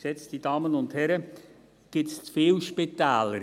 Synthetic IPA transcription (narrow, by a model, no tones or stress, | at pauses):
sɛt͡stid̥ɑːmənʊndhɛɾə | ɡ̥ɪsfɪːlʃpit̪æːləɾ